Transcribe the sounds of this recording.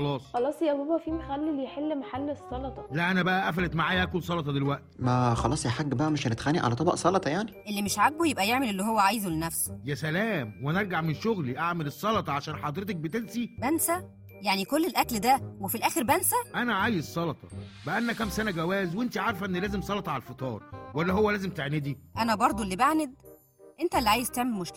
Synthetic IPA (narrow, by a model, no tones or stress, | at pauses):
ɑlɑːsˤxɑlɑːsˤjæbobæfiːmexælːiljeħelːmaħalːesˤːɑlɑt̪ˤɑlæʔænæbæʔæʔæfælet̪maʕaːjæʔækolsˤɑlɑt̪ˤɑd̪elwæʔt̪mæxɑlɑːsˤjæħaɡːbæʔæmeʃnet̪xænːiʕa̰læt̪ˤɑbɑ̰ʔsˤɑlɑt̪ˤɑjaʕniʔelːimeʃʕaɡ̚bujebʔæjeʕmelʔelːiɦowːæʕaːjzulenæfso̥jæsælæːmwneɾˤɡaʕmenʃoɣliʔaʕmelesˤːɑlɑt̪ˤɑʕaʃæːnħɑd̪ˤɾet̪ɑk̚bet̪ensibænsæ | jaʕnikolːelʔækld̪æwefilʔæːxeɾbænsæʔænæʕaːjezsˤɑlɑt̪ˤɑbæʔænːækæmsænæɡæwæːzwʔent̪iʕɑɾˤfʔenːlæːzemsˤɑlɑt̪ˤɑʕalælfet̪ˤɑːɾˤwælːæɦowːælæːzemt̪eʕned̪iʔænæbɑɾˤd̪ˤolːibaʕned̪̚ | ʔent̪ælːiʕaːjezt̪eʕmelmoʃkæ